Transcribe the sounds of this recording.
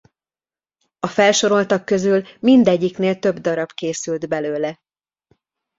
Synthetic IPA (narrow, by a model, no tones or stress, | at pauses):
ɒfɛlʃo̞ɾo̞lt̪ɒkːø̞zylmind̪ɛɟːikneːlt̪ø̞bd̪ɒɾɒbkeːsyld̪bɛløːlɛ